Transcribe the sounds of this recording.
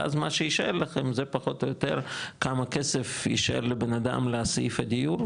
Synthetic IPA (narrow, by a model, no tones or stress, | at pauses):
ʔa̰zmaʃejiʃaʔelaχemzepaχot̪ojot̪eɾkamakesefjḭʃaḛllebenad̪a̰mleasifed̪ijuɾ